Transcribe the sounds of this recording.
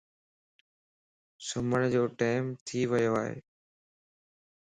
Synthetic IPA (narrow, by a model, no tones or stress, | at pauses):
sʊməɽ̃d͡ʑoːʈaːɪmt̪ʰiːʋəjoaːɦḛː